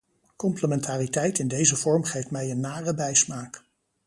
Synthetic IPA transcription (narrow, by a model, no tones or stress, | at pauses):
kɔmpləmɛntaːritɛjtɪndejzəvɔɹmχejftmɛjənːaːrəbɛjsmaːk